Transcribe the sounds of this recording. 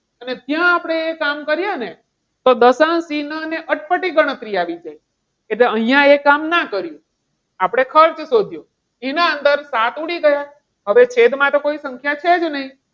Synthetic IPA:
ənet̪jãːpɽ̃eekamkəɾjane | t̪od̪əsãsinəneʔəʈ̚pəʈiɡəɽ̃ət̪ɾiaʋid͡ʒaj | eʈleəɦjãekamnakəɾjũ | apɽ̃ekʰəɾt͡ʃsod̪ʱju | enaənd̪əɾsat̪uɽiɡəja | ɦəʋet͡ʃʰed̪mãt̪okoisəŋkʰjat͡ʃʰed͡ʒnəɦĩ

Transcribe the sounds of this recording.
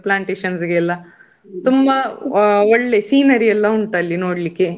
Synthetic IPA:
plaːɳʈeːʃɐnsɡeːlːɐ | t̪umbɐ | ɔɭːe̞siːnɐɾiɛlːɐuɳʈɐlːinoːɽlikːe

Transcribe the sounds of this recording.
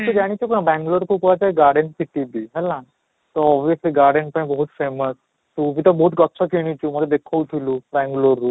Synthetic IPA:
t̪əd͡ʑaɽ̃it͡ɕɔknabɛ̃ŋɡloɾkʰupʋat͡ɕaiɡaɾɖenpit̪ibiɦɛlã | t̪ɔɔbʋijəsliːɡaɾɖenpəĩbəɦut̪feməs | t̪uʋit̪ɔbɔɦut̪̚ɡɔtːsʰɔkeɽ̃it͡ɕuməd̪ʱed̪ekʰəʋt̪ʰilubɛ̃ŋɡloɾːu

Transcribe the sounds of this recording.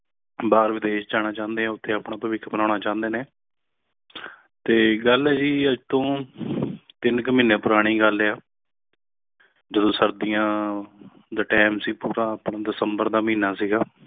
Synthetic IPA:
baːɾʋɪd̪eːʃd͡ʒaːɽ̃ãːt͡ʃãːnd̪eːɦãːʊt̪ʰːeːaːpɳãːpəʋɪkʰːbənãːɳaːt͡ʃãːnd̪eːneː | t̪eːɡəlɛːd͡ʒiːəd͡ʒt̪õː | t̪ɪnkəmiːneːpʊɾaːɽ̃iːɡəlɛːaː | d͡ʒəd̪õːsəɾd̪ijãː | d̪aːʈɛːmsiːpuːɾãːəpɳaːd̪ɪsəmbəɾd̪aːmĩːnaːsiːɡaː

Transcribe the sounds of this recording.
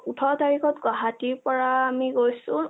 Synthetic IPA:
utʰɔtaɹikɔtɡɔɦatiɹpɔɹaːmiɡojsʊ̃

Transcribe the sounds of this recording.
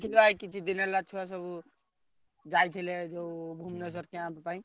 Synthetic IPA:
t̪ʰilakit͡ʃʰid̪inelat͡ʃʰuas̬əbu | d͡ʒajt̪ʰiled͡ʒobʱumnes̬əɾkeãppaĩ

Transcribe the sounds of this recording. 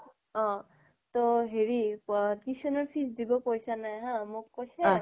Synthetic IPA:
ɔ̃ | t̪oɦeɹikisɔnɔɹpʰisdibɔkojsanajɦãmʊkːojsɛ

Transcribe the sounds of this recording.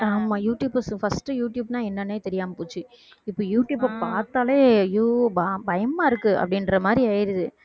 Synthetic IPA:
aːmaːjuːʈjuːbɐsfɐsʈːɯjuːʈjuːbnãːɛnːɐnːeːt̪ɛɾɪjaːmɐpoːt͡ʃːɯ | ɪpːoːjuːʈjuːbaːpaːɾt̪aːleːjuːbabɐjɐmːaːɪɾɯkːɯɐ̰pːɐɽɪnɾɐmaːd̪ɾiɐjɪɾɯðɯ

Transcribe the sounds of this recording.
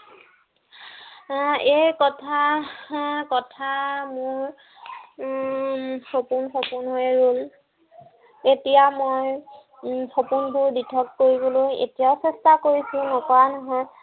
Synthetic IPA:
ejkɔtʰa | kɔtʰamʊɹ | sopunxopʊnɦojɹul | etijamoj | xopunbʱʊɹditʰɔkːoɹibɔlojḛtijaʊsɛstakoɹisʊ̃nɔkɔɹanɔɦɔj

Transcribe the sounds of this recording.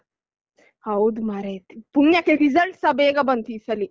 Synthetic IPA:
aud̪maɾet̪ipunːjakeɾizəlʈsabeɡabənt̪iːsəli

